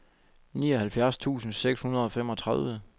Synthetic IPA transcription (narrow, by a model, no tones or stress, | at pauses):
nḭːɒ̽hælfjæɐst͡sʰṵːsn̩seɡ̥shunɐð̞ˠɒ̽fem̰ɒ̽t͡sʰʁaðˠʋə